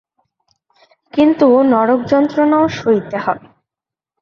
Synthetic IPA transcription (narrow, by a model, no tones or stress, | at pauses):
kint̪unɔɾok̚d͡ʑɔnt̪ɾonaoʃojt̪ehɔe